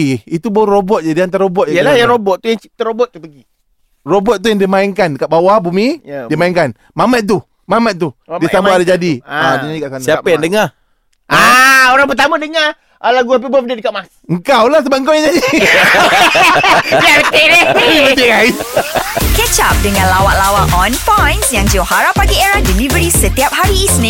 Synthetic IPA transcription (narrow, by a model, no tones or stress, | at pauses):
it̪uboɾobɔt̪̚d͡ʒadiant̪aɾaobɔt̪̚ajəlajaŋɾobɔt̪̚t̪ujaŋt͡ʃit̪əɾobɔt̪̚ːupəɡi | robɔt̪̚t̪ːujaŋdimaiŋkandəkaʔ̚bawabumidimaiŋkan | mamat̪̚t̪u | mamat̪̚t̪udisambaadad͡ʒadiadiɲaikaʔsansiapəjaŋdəŋa | aoɾaŋpət̪amə̃dəŋa | ʔalaɡuap̬əbuap̚dadəkaʔ̚mas | əŋkawlahs̬əbap̚ŋkawjaŋd͡ʒadi | jabət̪elabət̪iɡais | kɛt͡ʃap̚dəŋãnlawaʔlawaŋʔɔnpajnsjaŋd͡ʒawhaɾapːaɡieɾahdilivəɾisət̪iap̚haɾiːsnĩ